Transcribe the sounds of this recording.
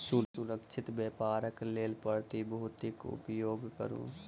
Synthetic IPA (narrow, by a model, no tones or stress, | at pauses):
sʊʊɾəkʃʰɪt̪bepaːɾəkleːlpəɾt̪ibəɦʊt̪ɪkʊ̰pjoːɡkə̰ɾṵ̃ː